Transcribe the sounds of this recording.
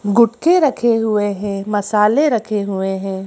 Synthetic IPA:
ɡʊʈkeɾɐkʰeɦʊeɦɛ̃mɐsaːleɾɐkʰeɦʊeɦɛ̃ː

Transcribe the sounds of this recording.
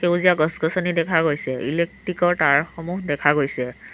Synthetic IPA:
kewziaɡɔsɡɔsɔnidɛkʰaɡojsɛʔilek̚ʈɹikɔɹʈaɹxɔmuɦdɛkʰaɡojsɛ

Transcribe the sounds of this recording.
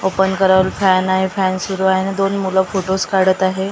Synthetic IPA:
opənkəɾaʋlfænaɦefænsuɾuaɦenid̪onmuləfoʈoskaɽət̪aɦe

